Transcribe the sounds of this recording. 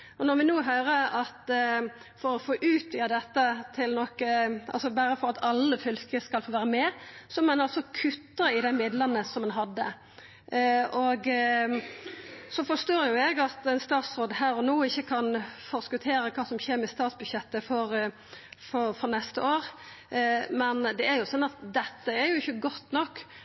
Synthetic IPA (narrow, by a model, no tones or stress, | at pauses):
ɔnɔɾʋɪnoːɦøːɾəɑt̪ | fɔɾɔfoːʔʉːt̪ʋiːəd̪ɛt̪ːət̪ʰɪlnɔkːəɑ̰lsɔbæːɾəfɔɾʁɑt̪ɑlːəfʏlkəskɑlfoːʋæːɾəmɛsɔmɛnɑlsɔkʰʉt̪ːəɾɪd̪ɛmɪd̪lənəsɔmɑnɦɑd̪ːə̰ | ɔɡ | sɔfɔʂt̪oːɾjʊɛɡɑt̪ɛnst̪ɑːt̪sɾoːd̪əɦæːɾɔnuːɪçːəkʰɑnfɔɾskʉt̪ʰeːɾəkʰɑːsɔmçeːɾmɪst̪ɑːt̪sbʉd̪ɕjɛt̪ːəfɔɾ | fɔɾfɔɾnɛst̪əoːɾ | mɛnd̪ɛæɾjʊsɔnːɑt̪d̪ɛt̪ːəæɾjʊɪçːəɡɔt̪ːnɔkː